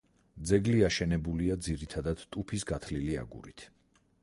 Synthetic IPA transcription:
d̪zɛɡliaʃɛnɛbuliad̪ziɾit̪ʰad̪ad̪̥t̪ʼupʰisɡat̪ʰlilia̰ɡṵɾit̪ʰ

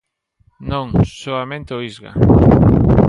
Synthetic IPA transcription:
nõŋsoamẽnt̪eoizɣa̰

